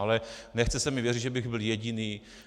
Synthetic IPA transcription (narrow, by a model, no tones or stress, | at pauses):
alɛnɛxt͡sɛsɛmɪvjɛrid̪ʒɛbɪɣbɪljɛɟɪniː